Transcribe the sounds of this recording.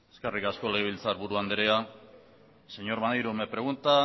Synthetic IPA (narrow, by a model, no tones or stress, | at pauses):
eskerikasko̞leeβilt͡saɾβuɾuand̪eɾea | se̞ɲoɾmanjɾumepɾe̞ɣ̞unt̪a